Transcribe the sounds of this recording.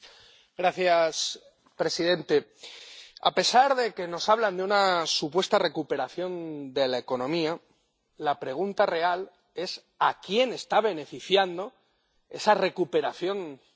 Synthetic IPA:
ɡɾaθjas | pɾe̞siðe̞nt̪e̞ | a̰pe̞saɾðe̞ke̞no̞saβ̞land̪eunasupwe̞st̪are̞kupe̞ɾaθjo̞nd̪e̞lae̞ko̞nõ̞mia | lapɾe̞ɣ̞unt̪are̞al | e̞s | akje̞ne̞st̪aβ̞e̞ne̞fiθjand̪o̞ | e̞sare̞kupe̞ɾaθjo̞n

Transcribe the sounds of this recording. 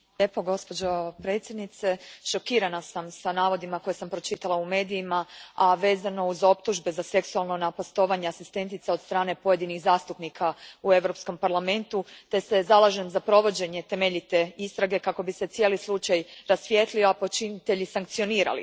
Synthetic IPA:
ʎepo̞ɡo̞spo̞d͡ʑo̞pɾe̞t̪sʲje̞d̪nit̪se̞ʃo̞kiːɾanasamsanaːʋo̞d̪imako̞jesampɾo̞t͡ʃit̪alˠaume̞ːd̪ijimaaʋe̞ːzano̞uzo̞pt̪uʒbe̞zase̞ksualˠno̞napast̪o̞ʋaɲeasist̪e̞nt̪it̪saod̪st̪ɾaːne̞po̞je̞d̪iniɣzaːst̪upnikʰaue̞ʋɾo̞psko̞mpaɾlˠame̞nt̪ut̪e̞sezalˠaʒe̞mzapɾo̞ʋo̞d͡ʑe̞ɲe̞t̪e̞me̞ʎit̪e̞ist̪ɾaɡe̞kako̞bise̞t̪ijelislˠut͡ʃajɾasʋje̞t̪lio̞apo̞t͡ʃinit̪e̞ʎisaŋkt̪sio̞niːɾa̰lḭ

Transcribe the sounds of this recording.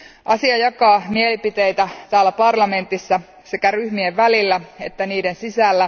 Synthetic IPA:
ʔɑsiɑjɑkɑːmielipit̪ejt̪æt̪æːlːæpɑrlɑme̞nt̪isːæ | sekæryhmieʋʋælilːæe̞t̪ːæniːdensisælːæ

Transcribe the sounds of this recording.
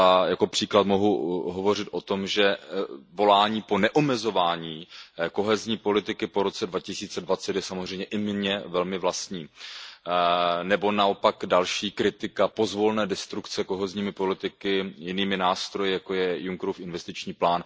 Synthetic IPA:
ajako̞pr̥iːklat̪mo̞ɦuɦo̞vo̞r̝ɪt̪ʔo̞t̪o̞mʒɛvo̞laːɲiːpo̞nɛʔomɛzo̞vaːɲiːko̞ɦɛzɲiːpo̞lɪt̪ɪkɪpo̞ɾo̞t͡sɛdvacɪsiːt͡sɛdvat͡sɛt̪jɛsamozr̝ɛjmɲɛʔɪmɲɛvɛlmɪvlast̪ɲiː | nɛbo̞nao̞pakdalʃiːkɾɪt̪ɪkapo̞zvo̞lnɛːdɛst̪ɾukt͡sɛko̞ɦɛzɲiːmɪpo̞lɪt̪ɪkɪjɪniːmɪnaːst̪ɾojɪjakojɛjuŋkɾufɪnvɛst̪ɪt͡ʃɲiːplaːn

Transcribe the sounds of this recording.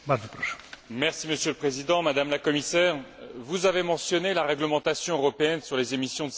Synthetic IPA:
mazəpχɔʃɛ̥̃mɛʁsiməsjøləpχezid̪ɑ̃mad̪amlakɔmisɛːʁvuzavemɑ̃sjɔnelaʁɛɡləmɑ̃t̪asjɔ̃øʁɔpeɛnsyʁlezemisjɔ̃d̪ə

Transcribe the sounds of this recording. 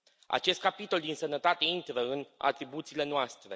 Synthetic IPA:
a̰t͡ʃe̞st̪̚kapit̪o̞ld̪insənət̪at̪e̞int̪ɾəɨna̰t̪ɾibut̪siːle̞noast̪ɾe̞

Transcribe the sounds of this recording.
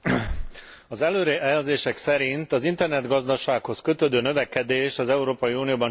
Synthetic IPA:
ɒzɛløːɾɛʔɛlzeːʃɛksɛɾint̪ɒzint̪ɛrnɛd̪ɡɒzd̪ɒʃaːkho̞skø̞t̪øːd̪øːnøvɛkɛd̪eːʃɒzɛuɾoːpɒjiuːnioːbɒn

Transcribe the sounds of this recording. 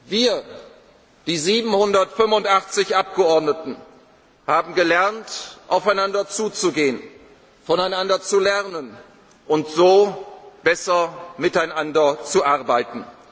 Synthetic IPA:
viːɐ | d̥iːziːbm̩hʊndɐtfʏmfʊntʔaχt͡sɪçʔap̚ɡ̥əɔɐdnətn̩ | haːbm̩ɡəlɛʁntʔaʊfaɪnandɐt͡suːt͡suɡeːən | fɔnaɪnandɐt͡sulɛʁnən | ʔʊntz̥oːb̥ɛsɐmɪtaɪnandɐt͡suʔaʁbaɪtn̩

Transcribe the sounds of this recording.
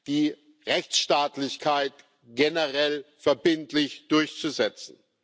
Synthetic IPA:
d̥iː | ʁɛçt͡sʃtaːtlɪçkʰaɪt | ɡ̥enəʁɛlfɛɐbɪntlɪçd̥ʊɐçt͡suzɛt͡sn̩

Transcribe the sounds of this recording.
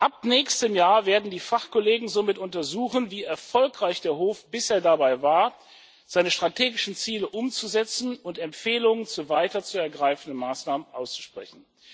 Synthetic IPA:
ʔapnɛːçstəmjaːɐveːɐdn̩diːfaχkɔleːɡŋ̩zoːmɪtʊntɐzuːχənviːɛɐfɔlkʁ̥aɪçd̥eːɐɦoːfb̥ɪsʔeːɐdabaɪvaːɐ | z̥aɪnəʃtʁ̥atʰeːɡɪʃn̩t͡siːləʔʊmt͡suzɛt͡sn̩ʊntɛmpfeːlʊŋənt͡suːvaɪtɐt͡suːɛɐɡʁaɪfn̩dənmaːsnaːmənʔaʊst͡su̥ʃpʁ̥ɛ̰çn̩

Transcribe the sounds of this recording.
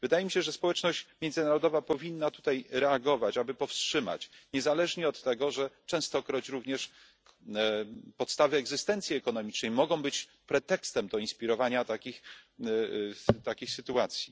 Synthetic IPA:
vɘd̪ajɛmʲiɕɛʐɛspɔwɛt͡ʂnɔɕt͡ɕmʲjɛnd̪zɘnaɾɔd̪ɔvapɔvʲinːat̪u̥t̪ajɾɛaɡɔvat͡ɕabɘpɔfstʂɘma̰t͡ɕɲɛzalɛʐɲɛɔt̪ːɛɡɔʐɛt͡ʂɛ̃w̃st̪ɔkɾɔt͡ɕɾuvɲɛʂ | pɔt̪st̪avɘɛɡzɘst̪ɛnt̪sʲjiɛkɔnɔmʲit͡ʂnɛjmɔɡɔ̃w̃bɘt͡ɕ | pɾɛt̪ɛkst̪ɛmd̪ɔinspʲiɾɔvaɲat̪akʲix | t̪akʲixsɘt̪uat̪sʲji

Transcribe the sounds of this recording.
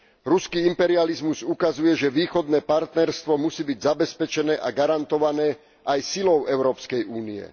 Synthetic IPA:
ɾuskiːimpɛɾializmuzukazujɛʒɛʋiːxɔd̪nɛːpaɾt̪nɛɾst̪ʋɔmusiːbiɟzabɛspɛt͡ʃɛnɛːʔaɡaɾant̪ɔʋanɛː | ʔajsilɔʊɛʊɾɔːpskɛjuːniɛ̰

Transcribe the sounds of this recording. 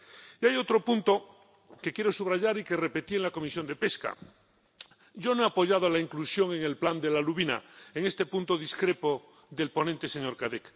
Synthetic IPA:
iajo̞t̪ɾo̞punt̪o | ke̞kje̞ɾo̞suβɾaʝaɾike̞re̞pe̞t̪ienlako̞misjo̞nd̪e̞pe̞ska̰ | ɟ͡ʝo̞noeapoʝað̞olaiŋklusjo̞ŋe̞ŋe̞lpland̪e̞laluβina̰eŋe̞st̪e̞pũnt̪o̞ðiskɾe̞po | ðelpo̞nẽnt̪e̞seɲo̞ɾkaðek

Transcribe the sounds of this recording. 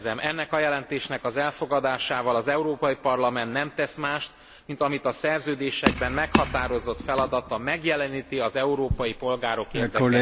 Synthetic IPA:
zɛmʔɛnːɛkɒjɛlɛnt̪eːʃnɛkɒzɛlfo̞ɡɒd̪aːʃaːvɒlɒzɛuɾoːpɒjipɒrlɒmɛnt̪nɛmt̪ɛsmaːʃt̪ | mint̪ɒmit̪ɒsɛrzøːd̪eːʃɛɡ̚bɛnmɛkhɒt̪aːɾo̞zo̞t̪fɛlɒd̪ɒt̪ɒmɛɡjɛlɛniːt̪iɒzɛuɾoːpɒjipo̞lɡaːɾo̞keːrd̪ɛ

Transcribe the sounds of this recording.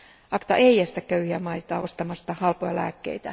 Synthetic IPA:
ɑkt̪ɑ̰ʔeijæst̪ækkøyhiæmɑit̪ɑːost̪ɑmɑst̪ɑhɑlpojɑlæ̰ːkːḛit̪æ

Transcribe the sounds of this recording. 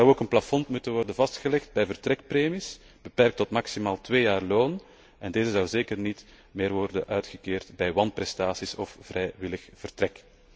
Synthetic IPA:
zɑwoːkənplafɔnmutənʋɔrdəvɑstxəlɛxtbɛjvərtrɛkpreːmis | b̥əpɛrk̚tɔtmaksimaːlˠtweːjaːrloːn | ɛndeːzəzɑwzeːkərnit | meːrʋɔrdə̰nʔœːtxəkeːrtbɛjʋɑnpɾɛstaːsisɔfv̥rɛjʋɪləxv̥ərtɾɛk

